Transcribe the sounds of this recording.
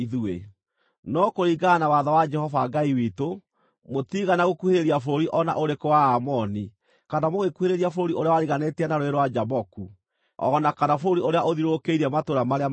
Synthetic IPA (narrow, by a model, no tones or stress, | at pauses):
iðue | nɔkoɾiɡanawaðawad͡ʒɛhɔvaɡaiwito | motiɣanaɣokuheɾeɾiaf̬oɾiʔɔna̰ʔoɾekowaamɔni | kanamoɣekuheɾeɾiafoɾoɾioɾeawaɾiɣanetianaɾoeɾwad͡ʒabɔku | ɔ̰ɣɔnakanafoɾoɾioɾeaʔoðiɾokeiɾɛmatoɾamaɾe